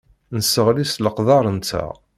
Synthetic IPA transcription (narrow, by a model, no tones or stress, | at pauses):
nəsːəʁlisləqðˤɑɾˤənt͡s̪ːæ̰ʁ